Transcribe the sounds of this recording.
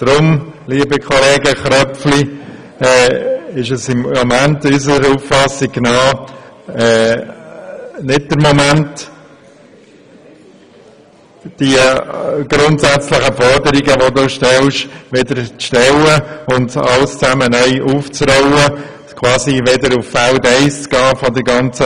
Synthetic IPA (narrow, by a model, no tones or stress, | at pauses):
d̥ɾʊmliːbəkʰɔlɛːɡəχɾœpfli | ɛɪʃəsɪmːomæntysəəɾuffɑsiɡnɑː | ɛː | nɪd̚d̥əɾmomænt | d̥iəɡ̥ɾʊntsæt͡slɪχəfɔɾdəɾiɡəʋoduːʃtɛlʃʋedəɾt͡sʃtɛləʊndɑ̰lst͡sæmənœʏʔuft͡sɾɔʊə | kʰwɑːsiʋɛdəɾufːældɛɪst͡sɡ̥ɑːfɔdəɾɡɑnt͡sə